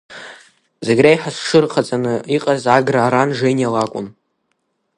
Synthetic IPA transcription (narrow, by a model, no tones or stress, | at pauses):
zeɡʲrajħasʂɨrqʰat͡sʼanɨiqʼazaɡraːɾanʐejnjalakʷʼʊ̰n